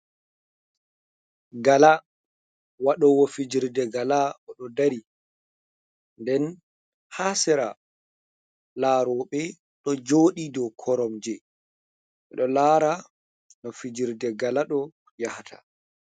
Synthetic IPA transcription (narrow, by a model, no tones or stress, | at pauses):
ɡala | waɗɔwɔfid͡ʒiɾdɛɡalaʔɔɗɔdaɾi | ndɛn | hasɛɾa | laːɾɔɓɛ | ɗɔd͡ʒoːɗidɔkʰɔɾɔmd͡ʒɛ | ʔɛɗɔlaːɾa | nɔfid͡ʒiɾdɛɡalaɗɔ | jahtʰa̰